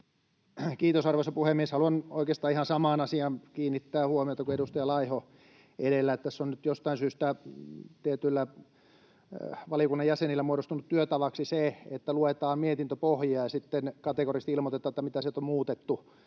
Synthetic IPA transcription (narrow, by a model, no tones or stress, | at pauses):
kiːt̪osɑrʋosɑpuhemmieshɑluɑnoikeːst̪ɑːihɑnsɑmɑːnɑsiɑnkiːnːit̪ːæːhuomiot̪ɑkueɾust̪ɑjɑlɑiho | edelːæet̪ːæsonnyt̪jost̪ɑinsyːst̪æt̪iet̪ylːæ | ʋɑlijokunːɑjjæsenilːæmuoɾost̪unut̪t̪yøt̪ɑʋɑksiseet̪ːæluet̪ɑːmmiet̪int̪øpohjiɑːjɑsit̪ːenkɑt̪ekorist̪ilmot̪et̪ːɑt̪ːɑmit̪æsit̪ommuːt̪et̪ːu